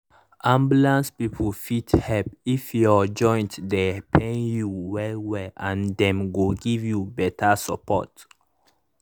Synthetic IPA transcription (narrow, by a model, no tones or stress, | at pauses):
ʔãmbjulãnspipʰəlfithɛlpifjɔd͡ʒɔ̃j̃ntdɛpʰẽnjuwɛlwɛʔãndɛ̃mɡoɡivjubɛtʰəsəpʰɔ̰t